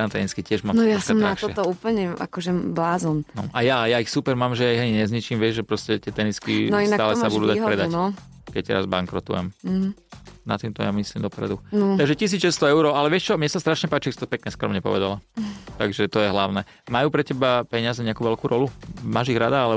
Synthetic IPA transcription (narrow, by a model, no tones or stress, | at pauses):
ant̪ɛniskicɪɛʒmamnɔjaskaɔmɾakʃɔɛt̪ɔuːpl̩ɲɛa̰kɔʒɛblaːzɔnnɔ̰ʔajajaixsupɛɾmaːmʒɛjaiɦaɲiɲɛzɲit͡ʃimʋɪɛʒʒɛpɾɔscɛt̪ɪɛt̪ɛniskinɔisnak̪aːlɛsabud̪uːd̪aɦpɾɛd̪anɔkɛc̚t̪ɛ̰ɾa̰zbaŋkɾɔt̪ṵjɛ̰m̩ɦ̩na̰t̪imt̪ɔja̰mislimd̪ɔpɾɛ̰d̪unɔaɡʒɛcis̬iːt͡sʃɛst̪ɔɛʊɾɔalɛʋɪɛʃt͡ʃɔmɲɛsast̪ɾaʃɲɛpaːt͡ʃiaksit̪ɔpɛkɲɛskɾɔ̰mɲɛpɔ̰ʋɛ̰d̪alat̪aɡʒɛt̪ɔjɛɦlaʊnɛ | majuːpɾɛcɛbapɛɲɪazɛɲɛakuːʋɛlkuːɾɔlumaːʒiɣɾad̪aalɛ